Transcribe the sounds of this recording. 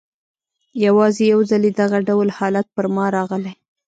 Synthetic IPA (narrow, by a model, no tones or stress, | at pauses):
jawɑzejawzaled̪aɣaɖawlhɑlat̪̚pəɾmɑɾɑɣəlaj